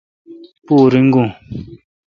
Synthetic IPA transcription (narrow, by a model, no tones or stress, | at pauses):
puɾiŋ̩ɡũŋ